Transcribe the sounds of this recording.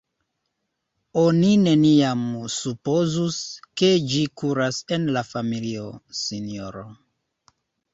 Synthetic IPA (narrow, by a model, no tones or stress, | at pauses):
o̞nine̞niamsupo̞zuske̞d͡ʒikuɾase̞nlafamilio̞sinioɾo